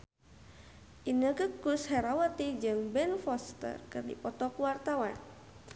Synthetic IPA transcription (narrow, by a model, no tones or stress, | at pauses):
ʔinəɡəkushɛɾawat̪id͡ʒɨŋbɛnfɔst̪ə̰rkɨrdḭpɔt̪ɔkuwart̪awan